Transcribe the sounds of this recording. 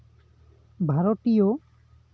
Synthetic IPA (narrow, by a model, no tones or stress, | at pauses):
bʱaɾotijo